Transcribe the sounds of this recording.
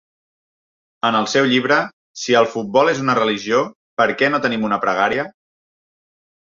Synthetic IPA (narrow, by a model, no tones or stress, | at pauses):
ənəlˠsɛwʎiβ̞ɾə | siəlˠfut̪̚bɔlezunərəliʒio | pəɾkɛnot̪ənimunəpɾəɣ̞aɾiə